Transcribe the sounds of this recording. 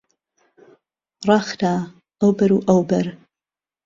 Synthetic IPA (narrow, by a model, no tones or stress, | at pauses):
rˤɑxd̪aː | ɐwbɐɾuːʔɐwbɐɾ